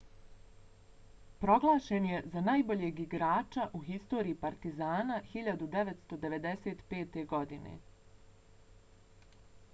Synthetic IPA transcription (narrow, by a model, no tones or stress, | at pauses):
pɾo̞ɡlˠaːʃenje̞zanaːjbo̞ʎeɡiɡɾaːt͡ʃaʔuxist̪o̞ːɾiːpaɾt̪izaːnaxiʎad̪ud̪e̞ʋet̪st̪o̞d̪e̞ʋe̞d̪e̞seːt̪pe̞ːt̪e̞ɡo̞d̪inḛ